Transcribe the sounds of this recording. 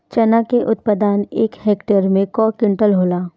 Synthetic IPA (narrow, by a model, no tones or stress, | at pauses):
t͡ʃɐnakeʔʊt̪̚pəd̪aːneːkheːkʈeɾmẽkɔːkɪ̃ɳʈəlɦoːlaː